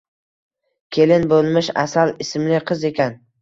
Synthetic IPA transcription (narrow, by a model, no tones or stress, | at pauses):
kʲʰe̞lɪnbolˠmɪʃa̰salɪsmlɪqʰɨze̞kʲʰan